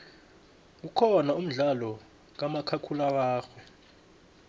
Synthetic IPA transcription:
k̬ukʰɔnaum̩ɮalɔ | k̬amakʰakʰulawaːxwɛ

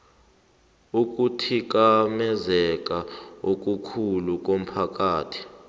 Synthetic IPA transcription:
uk̬ʼutʰik̬amɛzɛk̬ʼaok̬ʼukʰuluk̬ʼom̩pʰak̬ʼaːtʰi̥

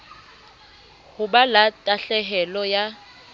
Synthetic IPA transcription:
hʊbalatʼaɬɛɦɛlɔja

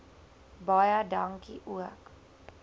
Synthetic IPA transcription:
bɔjadaŋkiʔuək

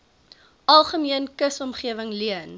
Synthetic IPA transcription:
ɐlˠχəmiənkəsɔmχiəvəŋliən

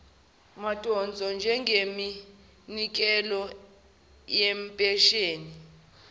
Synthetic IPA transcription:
matʼɔnd͡zʱɔnd͡ʒʱɛŋɡʱemi | nik̬ʼɛlɔ | jɛmpʼɛʃeːni

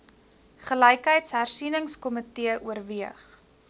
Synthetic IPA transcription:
χələjkɦəjtsɦærsinəŋskɔmətiəʔuərviəχ

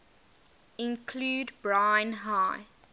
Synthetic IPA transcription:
ɪ̃nkʰluːdbɹãɪ̃nɦaɪ

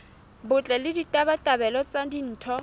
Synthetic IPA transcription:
bʊt͡ɬʼɛlɪditʼabatʼabɛlɔt͡sadin̩ːtʰɔ

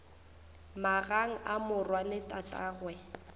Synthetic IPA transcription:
maɣaŋ̩ʔamʊrwalɪtʼatʼaːɣwɛ

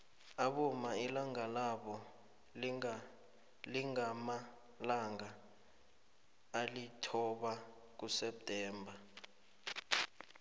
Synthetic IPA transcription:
aɓɔmailaŋalaɓɔ | liŋama | laŋa | litʰɔɓa | k̬usɛp̚tʼɛːmbʱa

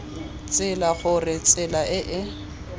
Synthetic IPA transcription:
t͡sʼɪlaɣʊrɪt͡sʼɪlaʔɪʔɪ

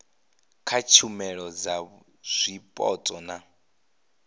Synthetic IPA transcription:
kʰat͡ʃʰumɛɺɔd͡za | z̥ʷipʼɔ̰tʼɔna

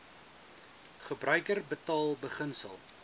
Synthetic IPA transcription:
χəbrœɥkərbətɑːlˠbəχənsə̰lˠ

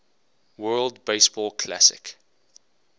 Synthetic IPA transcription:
wɜːlˠdbeɪsb̥ɔlkʰla̰sɪ̰k

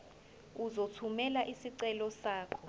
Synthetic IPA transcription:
uzotʰumɛlaʔisiǀɛlɔsaːkʰɔ

